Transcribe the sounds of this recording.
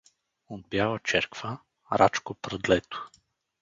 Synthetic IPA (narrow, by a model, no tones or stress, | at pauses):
od̪̚bjalˠət͡ʃɛɾkvə | ɾa̰t͡ʃkopɾəd̪lɛt̪ʊ̥